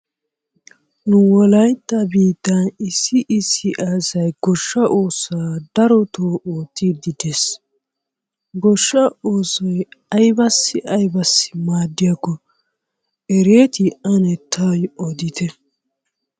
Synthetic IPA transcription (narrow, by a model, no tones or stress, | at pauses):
nʊwɔlɐjt̪ːɐbiːt̪ːɐnɪsːɪʔɪsːɪʔaːzɐjɡɔʃːɐʔoːsaːd̪ɐɾɔt̪oːʔoːt̪ːid̪ɪd̪es | ɡɔʃːɐoːsɔjɐjbɐsːɪʔɐjbɐsːɪ̥maːd̪ːɪjakːɔ | ɛɾeːt̪ɪʔɐnɛt̪ʰːɐjʔɔd̪ɪt̪ɛ